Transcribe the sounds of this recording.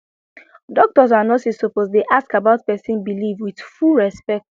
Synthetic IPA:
dɔk̚tɔsanɔsisopozdeʔaskabaʊt̚pɛsĩnbilivwið̥fulɹɛspɛk̚t

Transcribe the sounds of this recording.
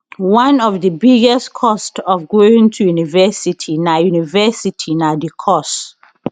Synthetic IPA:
wãnɔvdəbiɡɛstkʰɔstɔvɡoĩŋtʰujunivɛsitʰinajunivɛsitʰinadikʰɔs

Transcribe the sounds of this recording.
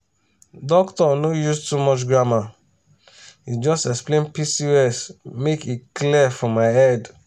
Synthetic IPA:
dɔktɔnojustumɔt͡ʃɡɹama | hid͡ʒɔstɛksplẽnpisiɛsmekiklifɔmaɪɛd

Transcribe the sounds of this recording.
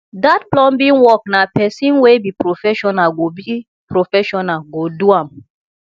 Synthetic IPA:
datplɔ̃nbĩnwɔk̚napɛsĩnwebipɾofɛʃɔnalɡobi | pɾofɛʃɔnalɡoduãm

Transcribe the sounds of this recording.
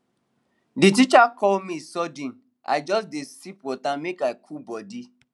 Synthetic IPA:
dit̬it͡ʃakʰɔlmisɔdĩn | a̰ɪd͡ʒɔsdesipwɔtamekaɪkʰubɔdi

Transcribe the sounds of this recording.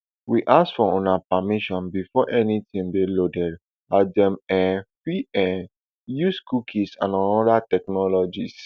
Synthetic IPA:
wiʔasfɔɔ̃napamiʃɔ̃nbifɔʔɛnitĩmbilodɛd | adɛ̃mɛfiɛ | juskukʰisã̰nãnɔdatɛknɔlɔd͡ʒis

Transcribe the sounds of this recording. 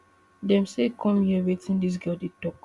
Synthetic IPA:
dɛ̃msekʰɔ̃mjɛvitĩndis̬ɡɜldid̚tɔk

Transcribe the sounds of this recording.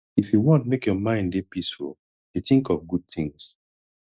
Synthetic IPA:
ifjuwɔ̃ntmekjɔmãɪ̃ndepisfṵl | jeθĩŋkɔvɡud̚θĩŋs

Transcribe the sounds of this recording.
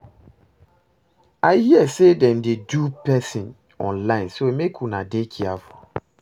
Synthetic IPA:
aɪhiɛsedɛ̃ndedupɛsĩn | ɔ̰̃nlãɪ̃nsomekʰunadekʰiafɔ

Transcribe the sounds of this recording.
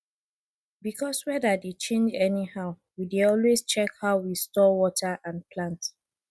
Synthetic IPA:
bikʰɔswɛdədet͡ʃẽnd͡ʒɛnihaʊ | wideɔlwest͡ʃɛkhaʊwistɔwɔtʰəʔãnpʰlãnt

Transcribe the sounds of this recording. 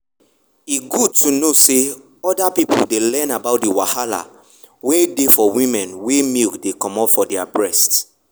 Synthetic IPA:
iɡud̚tunose | ɔdapipo̰ldelɛ̃nabaʊt̚diwahala̰ | wedefɔwĩmɛ̃nwemikdekɔ̃mɔpfɔdɛabɹɛst

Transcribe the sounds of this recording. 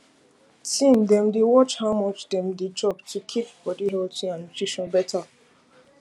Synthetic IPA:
tĩndɛ̃mdewɔt͡ʃhawmɔt͡ʃdɛ̃mded͡ʒɔptʰukʰip̚b̥ɔdiɦɛltĩŋãnotiʃɔ̃nbɛtʰa

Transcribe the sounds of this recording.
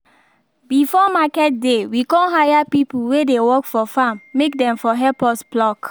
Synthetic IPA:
bifɔmakɛt̚dewikɔ̃nɦajapipulwedewɔkfɔfãmːek̚dɛ̃mfɔɦɛpɔsplɔk

